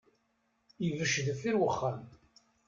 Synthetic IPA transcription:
ivəʃːðəfiɾwəχːam

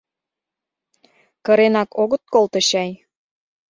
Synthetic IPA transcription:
kə̆ɾenɑkʰoɣə̆t̪̚kolt̪ɤ̆ɕɑj

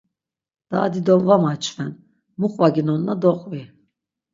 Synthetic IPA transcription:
d̪̥aːd̪id̪ɔnvamat͡ʃʰʼvɛn | muχʼvaɡinɔnːad̪ɔqʼvi

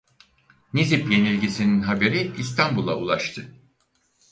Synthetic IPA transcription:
nizipje̞nilʲɟisininɦabe̞ɾiist̪ʰambulˠa̰ulˠaʃt̪ʰɯ

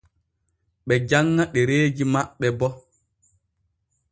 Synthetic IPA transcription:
ɓɛd͡ʒaŋːaɗɛɾeːd͡ʒimaɓːɛbɔ

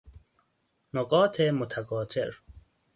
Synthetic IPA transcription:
noqɔːt̪ʰemot̪ʰaqɒːt̪ʰeɾ

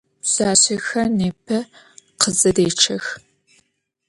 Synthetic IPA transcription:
saːɕexɐneːpʰɐ | qʰəzɨdeːʈ͡ʂʰɐx

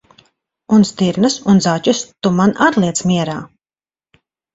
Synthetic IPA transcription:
unst̪iɾnɨsunzacust̪umanat̪lˠiɛt̪smʲiɛɾaː

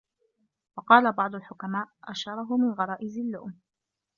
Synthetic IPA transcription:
wɑqɑːlabɑʕd̪ˤʊlħʊkamaːʔʔaʃɑɾˤɑɦʊmɪnɣɑɾˤɑːʔɪzɪlːʊʔm

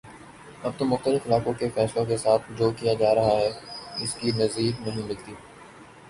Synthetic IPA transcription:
ɐb̚t̪omʊxt̪əlɪfɪlaːkõkefɛːslõkesaːt̪ʰd͡ʒoːkijad͡ʒaːɾɐɦaɦɛːɪskinɐziːknɐɦĩmɪlt̪iː

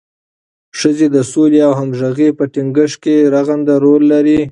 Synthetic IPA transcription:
ʂəzed̪əsoleawɦamʒaɣepəʈiŋɡəʂkeɾaɣand̪aɾolːaɾi

